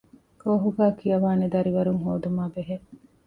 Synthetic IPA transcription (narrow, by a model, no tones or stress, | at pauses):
koːɦuɡæːkijɐʋaːned̪ɐɾiʋɐɾuŋɦoːd̪umaːbeɦe